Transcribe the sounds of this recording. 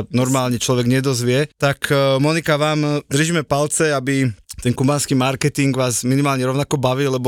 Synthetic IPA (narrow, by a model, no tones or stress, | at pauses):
anɔɾmaːlɲɛt͡ʃlɔʋɛɡɲɛd̪ɔzʋɪɛt̪akmɔnikaʋaːmd̪r̩ʒimɛpalt͡sɛabit̪ɛŋkubaːnskiːmaɾkɛt̪iŋɡʋaːzminimaːlɲɛɾɔʊnakɔbaʋiːlɛbɔ